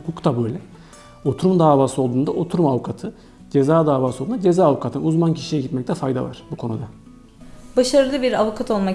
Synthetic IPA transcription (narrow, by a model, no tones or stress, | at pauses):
kukt̪ʰabøjlʲɛ | o̞t̪ʰuɾumd̪aːvaːsɯo̞lˠd̪uːnd̪aʔo̞t̪ʰuɾumavukʰat̪ʰɯ | d͡ʒe̞zaːd̪aːvaːsɯound̪ad͡ʒe̞zaːvukʰat̪ʰɯnuzmancʰi̥ʃijɛɟit̪mɛc̚t̪ʰɛfajd̪a̰va̰ɾ̥bukʰo̞nud̪a | baʃaɾɯlˠɯbiɾavukʰat̪ʰo̞lˠma